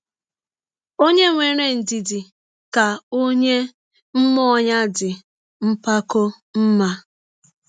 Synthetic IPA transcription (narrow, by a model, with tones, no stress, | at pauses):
o˦ɲe˦ŋʷe˨ɾe˦˨n̩˨di˨di˨ | ka˨o˦ɲe˦ | m̩˦mɔ˦ɔ˨ɲa˦dɪ˨ | m̩˦pa˦ko˦ | m̩˦ma˦